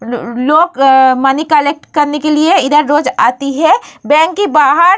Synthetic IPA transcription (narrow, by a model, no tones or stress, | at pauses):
loːɡmɐnikɐlek̚ʈkɐɾnekelieɪd̪əɾːoːd͡ʒaːt̪iɦɛbɛ̃ːŋkːibaːɦəɾ